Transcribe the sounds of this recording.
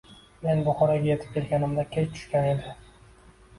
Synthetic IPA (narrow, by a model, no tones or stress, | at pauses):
me̞nbʊχɒɾɒɡʲajet̪ʰɪ̥p̚kʲʰelɡʲanɪmd̪akʲʰejt͡ʃ̪ʰʊ̥ʃkʲane̞d̪ɪ